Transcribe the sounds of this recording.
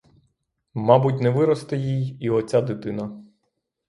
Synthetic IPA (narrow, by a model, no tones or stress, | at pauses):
mɑbutʲnɛʋɪɾɔst̪ɪjijiɔt͡sʲad̪ɪt̪ɪnɐ